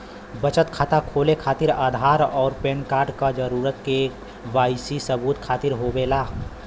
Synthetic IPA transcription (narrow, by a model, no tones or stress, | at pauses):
bət͡ʃət̪kʰat̪akʰoːlekʰaːt̪ɪɾaːd̪ʱaːɾɔːɾpẽːnkaːɾɖkad͡ʒəɾuːɾət̪ke | waːɪsisəbuːt̪kʰaːt̪ɪɾɦobeːlaː